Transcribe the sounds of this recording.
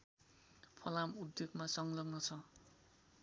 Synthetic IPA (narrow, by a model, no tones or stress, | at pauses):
pʰʌlamud̪joɡmasʌŋlʌɡnʌt͡sʰʌ